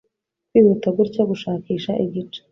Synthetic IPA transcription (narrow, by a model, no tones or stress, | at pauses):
kwiːβutabɡuɾcaɡuʃaːkiːʃaʔiɡit͡ʃe̥